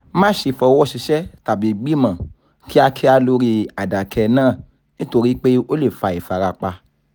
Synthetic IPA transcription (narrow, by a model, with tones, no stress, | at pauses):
mãː˦ʃi˨fɔ˧˦wɔ˦˨ʃi˧ʃɛ˦ta˨bi˨˦˨ɡ͡bi˦mã˨ | ki˦a˧kʰi˦a˧lo˧ɾi˧a˨da˨kʰɛ˧˨nãː˦˨ | nĩ˦to˧ɾi˦k͡pe˦o˦le˦˨fa˧˦i˨fa˧ɾa˧k͡pa˧